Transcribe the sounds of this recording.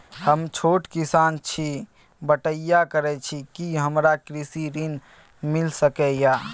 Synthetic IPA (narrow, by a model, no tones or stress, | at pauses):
həmt͡ʃʰoʈkisant͡ʃʰi | bəʈəjakəɾɛt͡ʃʰikiɦəmɾakɾisiɾin | milsəkɛja